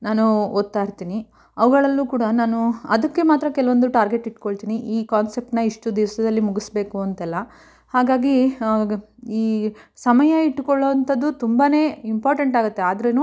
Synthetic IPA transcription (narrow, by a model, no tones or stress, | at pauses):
naːnuot̪ːaːjiɾt̪iːni | ɐʋɐɡɐɭɐlːuːkuːɽɐnaːnuɐd̪ɐkːe̞maːt̪ɾɐkɛlɐʋond̪uʈaːɾɡe̞ʈiʈkoɭt̪iːniʔiːkaːnsep̚ʈnɐiʂʈud̪iʋɐsɐd̪ɐlːimuɡisbe̞ːkuɐnt̪ɛlːɐ | haːɡaːɡi | iːsɐmɐjɐiʈːkɔɭːɐʋɐnt̪ɐd̪ːut̪umbane̞ːimpaːɾʈɐɳʈaːɡut̪ːeaːd̪ɐɾenuː